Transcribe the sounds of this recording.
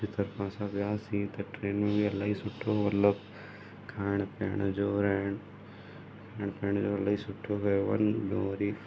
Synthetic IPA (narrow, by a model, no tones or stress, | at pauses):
it̪ʰɐɾpãːsabjaːsĩt̪eʈɾeːnmẽbiɐlːaːisʊʈʰːoːʋɐlːɐb | kʰaːɳ̃peːɳd͡ʒoːɾaːɳ | akʰaːɳpeːɳd͡ʒoːɐlːaːisʊʈʰːoːkaʋɐ̰nboːɾiː